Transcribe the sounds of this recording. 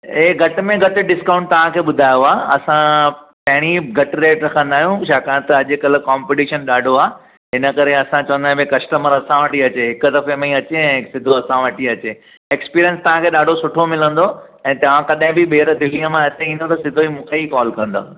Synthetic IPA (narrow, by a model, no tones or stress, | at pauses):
eːɡʱɐʈɪmẽɡʱɐʈɪ̆ɖɪskãːʊ̃ɳʈ̚t̪ɐʋ̤ãkʰeːɓʊd̪ʱaːjoaːɐsã | pɐ̃ɦɪɽ̃iɡʱɐʈɾeːʈɾɐkʰə̃nd̪aːɦijũʃaːkãnt̪ɐʄkɐlə̆kaːmpɪʈiːʃənɗaːɖʱoaː | ɦɪnə̆kɐɾeɐsãt͡ɕɐʋə̃nd̪aːɦbekɐsʈəməɾɐsãʋɐʈiɐt͡ɕeɦɪkʊd̪ɐfemeĩɐt͡ɕeɛ̃ɦɪksɪd̪ʱoɐsãʋɐʈʰiɐt͡ɕeː | eːkspiːɾijə̃nst̪ɐʋ̤ãkʰeːɗaːɖʱosʊʈʰomɪlə̃nd̪oɛ̃ːt̪ɐʋ̤ãkɐɗɦɪ̃bɪɓeːɾd̪ɪlːiə̃mãet̪eĩːn̆d̪ot̪ɐsɪd̪ʱoimũːkʰeikɔːlkɐ̃nd̪a̰ː